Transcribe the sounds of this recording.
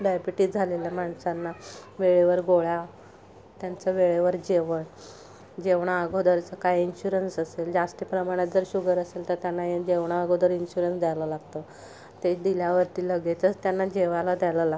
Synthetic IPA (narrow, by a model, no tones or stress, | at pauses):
ɖajbiʈiːd͡zʱaleljamaɳsanːaʋeɭeʋəɾɡoɭja | t̪jant͡səʋeɭeʋəɾd͡ʑeʋəɳ | d͡ʑeʋɳ̃aːɡʱod̪əɾt͡səkajinɕuɾənsəseld͡ʑasʈ̪iːpɾəmaɽ̃jat̪d͡zəɾɕuɡəɾəselt̪əɾt̪janːajed͡ʑeʋɳ̃aːɡod̪əɾinɕuɾənsd̪ʱjajlɔlaɡt̪ə | t̪ed̪iljaʋəɾt̪iːləɡet͡sət͡st̪janːad͡ʑeʋalad̪ʱjajlala